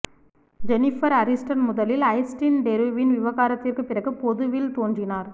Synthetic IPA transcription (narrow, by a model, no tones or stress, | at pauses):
d͡ʒɛnɪfɐɾɐɾɪsʈɐnmʊðɐlɪlɐɪsʈinɖɛɾɯʋɪnʋɪʋɐɣaːɾɐt̪ːɪrkɯpːɪrɐɣɯpɔðɯʋɪlt̪oːndrɪnaːɾ